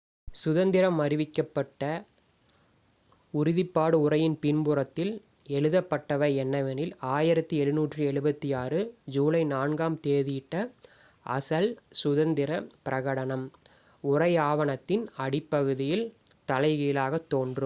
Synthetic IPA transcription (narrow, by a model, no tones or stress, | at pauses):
sʊðɐnd̪ɪɾɐmːɐɾɪʋɪkːɐpːɐʈːɐ | ʊɾɪðɪpːaːɽɯʊrɐjɪnpɪnbʊɾɐt̪ːɪl | ɛɻɯðɐpːɐʈːɐʋɐɪɛnːɐʋɐnɪlaːjɪɾɐt̪ːɯɛɻɯnuːʈrɯɛɻɯbɐt̪ːijaːrɯd͡ʒuːlɐɪnaːnɡaːmt̪eːðɪɪʈːɐ | ʔɐsɐlsʊðɐnd̪ɪɾɐpɪɾɐɣɐɽɐnɐm | ʊrɐɪaːʋɐɳɐt̪ːɪnɐɽɪpːɐɣɯðɪjɪlt̪ɐlɐɪɣɐjɪlaːɣɐt̪ːoːndrɯm